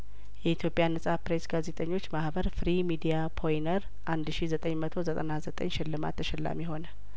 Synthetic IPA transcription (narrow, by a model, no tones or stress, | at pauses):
jɛit̪ʰjo̞pʼjanːəsʼapɾe̞sɡaze̞t̪ʼəɲːo̞t͡ʃːmahbəɾfɾimid̪ijapʰo̞jinəɾ | ʔand̪ʃizət̪ʼəɲːmət̪ʰo̞zət̪ʼənazət̪ʼə̰ɲːʃɪlːɨma̰t̪ʰːəʃɛlːa̰mjɛho̞nə